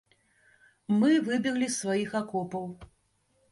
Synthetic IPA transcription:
mɨvɨbʲiɣlʲisvajixakɔpɐw

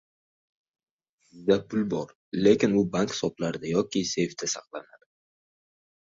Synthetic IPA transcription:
sɪzd̪apʰʊlbɒɾ | le̞kʲɪnʊbaŋkhsɒplaɾd̪ajɒkʲɪse̞jft̪ʰɪsaqlˠanad̪ɪ

